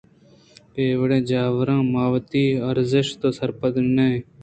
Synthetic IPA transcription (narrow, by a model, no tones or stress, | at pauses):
peːʋɽẽːd͡ʒaːʋəɾãːmaːʋt̪iːəɾzɪʃt̪oːsəɾpəd̪neː